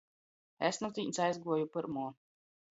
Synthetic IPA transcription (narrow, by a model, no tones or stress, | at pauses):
ḛsnut̪ʲiːnsajzɡuɔjupɨɾmuɔ